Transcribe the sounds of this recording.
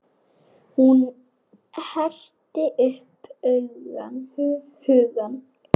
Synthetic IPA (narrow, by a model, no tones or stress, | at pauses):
hun | hɛr̥t̪ɪʔʏhpœɥɣa̰n | hʏɣan